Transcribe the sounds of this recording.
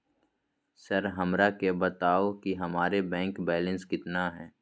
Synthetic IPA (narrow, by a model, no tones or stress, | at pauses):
sɐɾɦɐmɾakebɐt̪aːokiɦɐmaːɾebɛ̃ːŋkbɛːlə̃nskɪt̪naɦɛː